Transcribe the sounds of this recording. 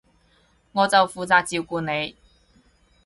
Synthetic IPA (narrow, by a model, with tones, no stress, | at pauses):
ŋɔː˨˧t͡sɐ˨wfuː˨t͡saː˨k̚t͡siː˨˧wkuː˨˧ne˨˧j